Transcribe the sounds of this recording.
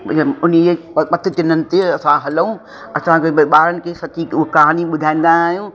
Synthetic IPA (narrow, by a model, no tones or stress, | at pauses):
ʊnie | pɐt̪ʰɪt̪ɪnənɪ̆t̪eɐsãɦɐlũː | ɐsãkebɓaːɾənɪ̆kʰeːsɐt̪ikɐɦaːniɓʊd̪ʱaːĩːnd̪aːɦijũː